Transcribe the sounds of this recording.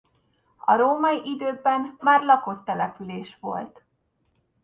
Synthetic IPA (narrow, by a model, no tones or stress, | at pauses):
ɒ̰ɾoːmɒiʔid̪øːbɛmːaːrlɒko̞t̪ːɛlɛpyleːʃʋo̞̰lt̪